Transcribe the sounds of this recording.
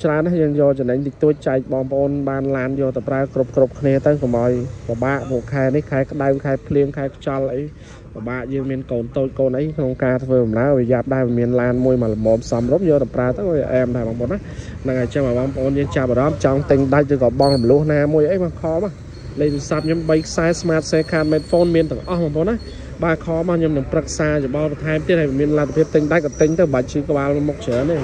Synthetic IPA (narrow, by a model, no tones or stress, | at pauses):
t͡ɕraənːahjəːŋjɔːlt͡ɕɔnəɲt̪it̪uəc̚t͡ɕaɛk̚ɓɑːŋpə̆ʔoːnɓaːnlaːnjɔːlt̪əwpraəkrup̚krup̚kʰniət̪əwkomʔaɔjpə̆ɓaːʔpuəʔkʰaɛnihkʰaɛkə̆ɗawŋkʰaɛpʰliəŋkʰaɛkʰt͡ɕɑlʔəj | pəɓaːʔjəːŋmiənkoːnt̪oːc̚koːnʔəjkʰnoŋkaːt̪ʰʋəːɓɑmnaəɾɔjɛap̚ɗaɛlʋimiənlaːnmuəjmalomɔːmsɑmrumjɔːɗ̪əpraət̪əwkːiʔɛːmt̪aːɓɑːŋpʔoːnːah | nɨŋʔaɛt͡ɕəŋɓaɓɑŋpʰə̆ʔoːnjəːŋt͡ɕap̚ʔaɾɑmt͡ɕɑŋt̪ɨɲɗac̚rɨːkɑːɓɑŋlumlʊ̆əhnaːmuəjʔəjɓakʰɑːɓaː | lec̚ɨsap̚ɲomɓəjkʰsaɛsmaːt̪̚seːkʰaːt̪̚mɛːt̪̚foːnmiənt̪ɨ̆əŋʔɑhɓɔːŋpʰoːnːa | ɓaːkʰɑːɓaɲomnɨŋprək̚saːjoɓɑlpɑnt̪ʰaɛmt̪iət̪̚hajʋiəmiənlat̪ʰːapʰiəp̚t̪ɨŋɗac̚kɑt̪ɨɲt̪əwɓəc̚t͡ɕɨːkə̆ɓaːlmuk̚t͡ɕʰəːneː